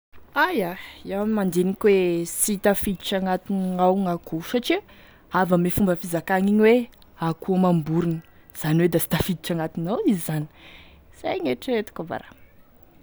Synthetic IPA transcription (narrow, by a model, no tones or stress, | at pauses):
ajaiawamimand̪enikʲwesit̪afid̪iʈ͡ʂaŋat̪inŋawŋakuʃaʈ͡ʂi | avəmefumbəfizakaŋiɲiwe | akuamambuɾunə̥ | z̥aniwed̪asi̥t̪afid̪iʈ͡ʂaŋat̪inawizizani̥ | z̥ajŋeʈ͡ʂəet̪u̥kʲəva̰ɾa̰